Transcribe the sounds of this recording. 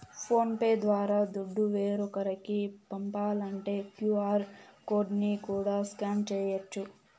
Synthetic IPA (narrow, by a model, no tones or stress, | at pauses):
pʰo̞ːnpeːd̪ʋaːɾaːd̪uɖːuʋeːɾɔkɐɾɐkipɐmpaːlɐɳʈe̞ːkjuːaːɾko̞ːɾɖnikuːɽaːskaːnt͡ʃɛːjɐt͡ʃːu